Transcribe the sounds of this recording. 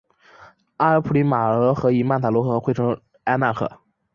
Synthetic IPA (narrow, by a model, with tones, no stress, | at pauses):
a˥ə˧˥pʰu˥˩li˧˥ma˨˩ɤ˧˥xɤ˧˥i˨˩ma˥˩nt̪ʰa˨˩lwɔ˧˥xɤ˧˥xwʈ͡ʂʰɤ˧˥ŋ | a˥na˥˩kʰɤ̰˨˩˦